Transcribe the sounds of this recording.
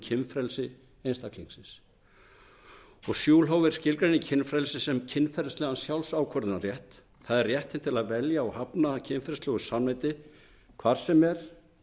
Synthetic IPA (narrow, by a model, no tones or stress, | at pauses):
cʰɪnfɾɛlsɪ | ejnst̪akliŋksɪns | ɔɣsjuːlɦaːwvɪɾ̥scɪlkɾanɪcʰɪnfɾɛlsɪsɛmcʰɪnfɛɾslɛːɣansjawlsawkʰɔɾðɪnaɾrjɛht̪ | θaðɛrjɛht̪ɪnt̪ʰɪlaðvɛljaɔhapnacʰɪnfɛɾslœːɣʏ̥samajt̪ɪ | kʰvaɾ̥sɛmɛɾ̥